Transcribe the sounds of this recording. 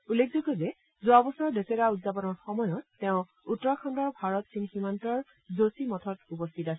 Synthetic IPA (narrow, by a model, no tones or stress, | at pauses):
ulːekʰzokɔzɛ | zʊabɔsaɹdesɛkaudzapɔnɔɹxɔmɔjɔtːɛʊ̃ | utːɔkʰɔndɔɹbʱaɹɔtsinximantɔɹ | zosimɔtʰɔtupɔstʰitasɛ